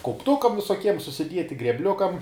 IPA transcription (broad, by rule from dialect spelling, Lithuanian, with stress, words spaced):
kɐʊpˈtʊkɐm ʋʲɪsoːˈkʲiɛm sʊsʲɪˈdʲiɛtʲɪ ɡrʲɛbʲˈlʲʊkɐm